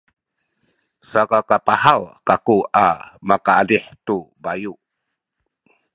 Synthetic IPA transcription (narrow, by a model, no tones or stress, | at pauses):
sakakapahawkakuamakaːdiħt̪ubajuʔ